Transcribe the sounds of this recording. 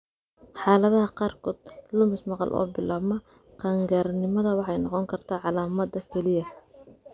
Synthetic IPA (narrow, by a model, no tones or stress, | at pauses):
ħɑːlɐðɐɦɐqɑːrkʰɔːd̪̥lʊmɪsmɑqɑ̰lʔɔ̰ːbɪlaːβmɐ | qɑːŋɡaɾnɪmɐðɐwɑħɑjnɑqɔŋkʰɐrt̪ʰaːʕɑlaːmɐd̪ɐkʰɛlɪjɐ